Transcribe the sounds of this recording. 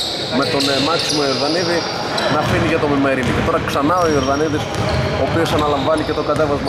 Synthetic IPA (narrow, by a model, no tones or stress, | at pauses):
me̞t̪o̞nmɐksimoio̞ɾðɐniði | nɐfiniʝɐt̪o̞mimeɾinicet̪o̞ɾɐksɐnɐoioɾðɐniðis | oːpio̞sɐnɐlɐɱvɐnice̞t̪o̞ɡɐt̪e̞vɐzmɐ